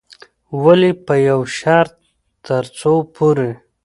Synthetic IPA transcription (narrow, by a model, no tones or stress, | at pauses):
walipəjawʃaɾt̪ː | əɾt͡sopʰoɾe